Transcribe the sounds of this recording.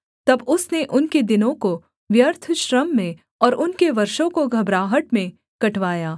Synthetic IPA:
t̪ɐbʊsneʔʊnked̪ɪnõko | ʋjɐɾt̪ʰʃɾəmːẽ | ɔːɾʊnkeʋɐɾʃõkoɡʱɐbɾaːɦəʈmẽ | kɐʈʋaːjaː

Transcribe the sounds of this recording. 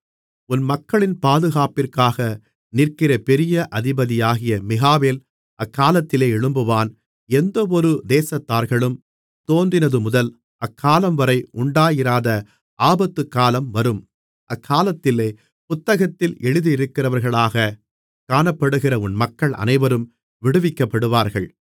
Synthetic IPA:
ʊnmɐkːɐɭɪnpaːðɯɣaːpɪrkaːɣɐ | nɪrkɪɾɐpɛɾɪjɐʔɐðɪbɐðɪjaːɣɪjɐmɪɣaːʋeːl | ɐkʰːaːlɐt̪ːɪleːɛɻɯmbɯʋaːn | ɛnd̪ɐɔɾɯd̪eːsɐt̪ːaːɾɣɐɭɯm | t̪oːnd̪ɪnɐðɯmʊðɐl | ʔɐkʰːaːlɐmʋɐɾɐɪʔʊɳɖaːjɪɾaːðɐ | ʔaːbɐt̪ːɯkːaːlɐmʋɐɾɯm | ʔɐkʰːaːlɐt̪ːɪleː | pʊt̪ːɐɣɐt̪ːɪlɛɻɯðɯɪɾɯkːɪrɐʋɐɾɣɐɭaːɣɐ | kaːnɐpːɐɽɯɣɪrɐʊnmɐkːɐɭʔɐ̰nɐɪʋɐɾɯm | ʋɪɽɯʋɪkːɐpːɐɽɯʋaːɾɣɐɭ

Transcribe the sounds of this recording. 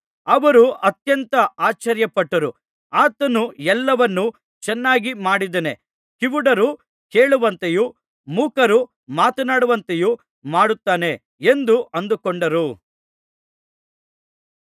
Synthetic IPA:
ɐʋɐɾuʔɐt̪jɐnt̪ɐaːt͡ʃɐɾjɐpɐʈːɐɾu | aːt̪ɐnuɛlːɐʋɐnːu | t͡ʃɛnːaːɡimaːɽid̪ɐne | kiʋuɽɐɾu | keːɭuʋɐnt̪eju | muːkɐɾu | maːt̪ɐnaːɽuʋɐnt̪eju | maːɽut̪ːaːne̞ | end̪uʔɐnd̪ukoɳɖɐɾu

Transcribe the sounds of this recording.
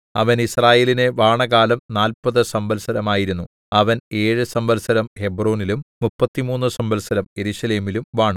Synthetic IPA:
ɐ̰ʋɐnisraːje̞ːline̞ʋaːɳɐɣaːlɐmnaːlpɐðɨsɐmbɐlsɐɾɐmaːjiɾunːu | ɐʋɐne̞ːɻɨsɐmbɐlsɐɾɐmhe̞bro̞ːnilumːupːɐt̪ːimuːnːusɐmbɐlsɐɾɐmje̞ɾuːʂɐleːmilumʋaːɳu

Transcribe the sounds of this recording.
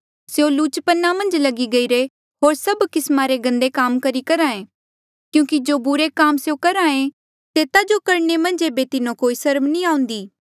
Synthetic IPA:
sejõluːt͡ʃpənːamɐ̃nd͡ʒlɐɡiɡɐiɾe | ɦoːɾsɐbkɪsmaɾeɡɐ̃nd̪ekaːmkɐɾikɐɾãːẽ | kjũːkid͡ʒoːbʊɾekaːmsejokɐɾaːẽ | t̪eːt̪ad͡ʒokɐɾnemɐ̃nd͡ʒeːbet̪ɪnõkoːisɐɾmnĩãːʊ̃nd̪iː

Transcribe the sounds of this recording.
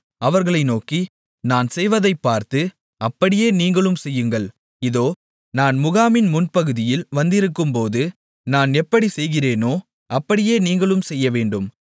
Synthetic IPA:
ɐʋɐɾɣɐɭɐɪnoːki | naːnsɛjʋɐðɐɪpːaːɾt̪ɯ | ɐpːɐɽɪjeːniːŋɡɐɭɯmsɛjːɯŋɡɐɭ | ɪðoː | naːnmʊɣaːmɪnmʊnpɐɣɯðɪjɪlʋɐnd̪ɪɾɯkːɯmpoːðɯ | naːnɛpːɐɽisɛjɣɪreːnoː | ʔɐpːɐɽɪjeːniːŋɡɐɭɯmsɛjːɐʋeːɳɖɯm

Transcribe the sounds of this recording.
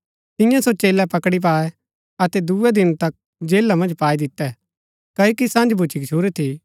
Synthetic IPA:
t̪ɪ̃jãsot͡ʃeːlɛpɐkɽip̬aːɛ | ɐt̪ɛd̪uɛd̪ɪnt̪ɐk̚ | d͡ʒeːlːamɐ̃nd͡ʒpaːid̪ɪt̪ːɛ | kɐokisãːnd͡ʒbʱut͡ʃʰikt͡ʃʰuːɾet̪ʰi

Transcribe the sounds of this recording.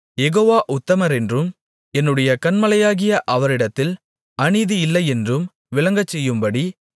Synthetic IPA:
jɛɣoːʋaːʔʊt̪ːɐmɐɾɛndrɯm | ɛnːɯɽɐjɐkɐnmɐlɐjaːɣɪjɐʔɐʋɐɾɪɽɐt̪ːɪl | ɐɳiðijɪlːɐɪɛndrɯm | ʋɪlɐŋɡɐt͡ʃːɛjːɯmbɐɽi

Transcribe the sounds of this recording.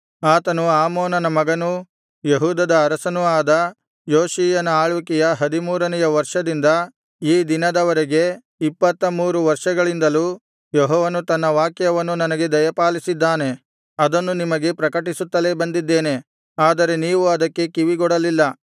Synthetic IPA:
aːt̪ɐnuaːmɔːnɐnɐmɐɡɐnu | jeɦuːd̪ɐd̪ɐːɾɐsɐnuaːd̪ɐ | joːʃiːjɐnɐaːɭuːkijɐɦɐd̪imuːɾɐnɛjɐʋɐɾʂɐd̪ind̪ɐ | iːd̪inɐd̪ɐʋɐɾeɡe̞ | ipːɐt̪ːɐmuːɾuʋɐɾʂɐɡɐɭind̪ɐluː | jɔɦɔːʋɐnut̪ɐnːɐʋaːkjɐʋɐnːunɐnɐɡe̞d̪ɐjɐpaːlisid̪ːaːne̞ | ɐd̪ɐnːunimɐɡe̞pɾɐkɐʈisut̪ːɐle̞bɐnd̪id̪ːeːne̞ | aːd̪ɐɾe̞niːʋuɐd̪ɐkːe̞kiʋiɡɔɽɐlilːɐ

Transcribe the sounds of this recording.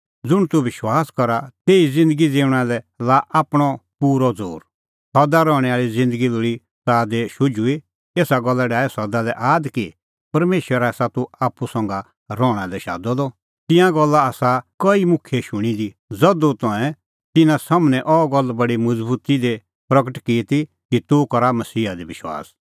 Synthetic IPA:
d͡zʊɽ̃t̪uʋɪʃwaːskɔɾat̪eːid͡zɪ̃nd̪əɡid͡zeːʊɽ̃alɛ | laːʔaːpɽ̃ɔpuːɾɔd͡zo̰ːɾ | sɔd̪aɾɔːɽ̃ɛaːɾid͡zɪ̃nd̪əɡiloːɽi | saːd̪eʃʊd͡ʒui | eːsaɡɔlːaɖaːɛsɐd̪alɛʔaːd̪ki | pɐɾmeːʃwəɾasat̪uaːpːusɐ̃ŋɡa | ɾɔːɽ̃ãd̪ɛʃa̰ːd̪ɔd̪ɔ | t̪ɪ̃jãɡɔlːaaːsakɐimʊkʰjɛʃʊɽ̃id̪i | d͡zɐd̪ut̪ɔ̃ɛ̃ | t̪ɪnãsamnɛ̃ʔɔɡɔlːbɐɽimɐd͡zbuːt̪id̪e | pɾɐkəʈkiːt̪i | kit̪ukɐɾamɐsiːɦad̪ibɪʃwa̰ːs

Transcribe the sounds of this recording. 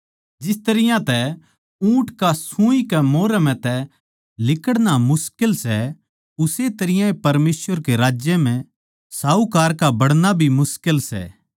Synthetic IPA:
d͡ʒɪst̪ɐɾɪjãt̪ɛ | ũːʈkasũikɛmoːɾɛmɛ̃t̪ɛ | lɪkəɽnamʊskɪlsɛ | ʊset̪ɐɾɪjãepɐɾmeːsʋəɾkeɾaːd͡ʒjɛm̤ɛ̃ | saːukaːɾkabɐɽnabʱimʊskɪlsɛ̰ː

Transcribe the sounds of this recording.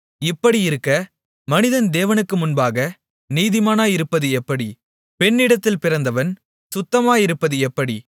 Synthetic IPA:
ɪpːɐɽiɪɾɯkːɐ | mɐnɪðɐnd̪eːʋɐnɯkːɯmʊnbaːɣɐ | niːðɪmaːnaːjɪɾɯpːɐðɯɛpːɐɽi | pɛnːɪɽɐt̪ːɪlpɪɾɐnd̪ɐʋɐn | sʊt̪ːɐmaːjɪɾɯpːɐðɯɛpːɐɽi

